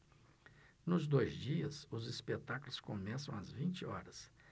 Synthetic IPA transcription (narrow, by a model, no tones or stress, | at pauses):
nʊzd̪ojzd͡ʒiɐsʊzispet̪akulʊskomɛsɐ̃w̃ɐzvĩt͡ʃɪɔɾɐs